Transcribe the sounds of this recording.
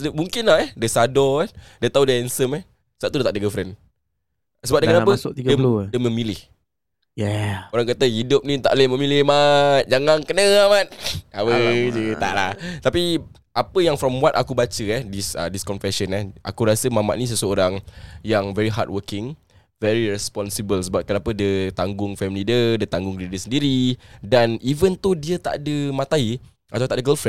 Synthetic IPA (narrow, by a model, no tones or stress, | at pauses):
əmũŋkɪnlaɦɛhdəsadɔɛdat̪audəɛnsəmɛh | saʔt̪udət̪aʔdəɡəfɾɛn | səbap̚dəkanapət̪iɡəldəməmilɪh | jɛoɾaŋkat̪əhidʊp̚nĩt̪a̰ʔlehməmilɪhmat̪̚d͡ʒaŋaŋkənəamat̪̚awəd͡ʒət̪a̰ʔla̰ht̪api | ʔapəjaŋfɾɔmwat̪akubat͡ʃəɛhdisə̰diskɔnfɛʃənɛhʔa̰kuɾasəmama̰ʔnĩs̬əsəoɾaŋjaŋvɛɾiɦa̰t̚wəkɪŋ | vɛɾiɹɛspɔnsibəlsəbat̪̚kənapədət̪aŋɡʊŋfɛmilidədət̪aŋɡʊŋdidəsəndiɾidanivənt̪uhdiət̪a̰ʔdəmãt̪ai | at̪awt̪aʔdəɡəlfɾɛn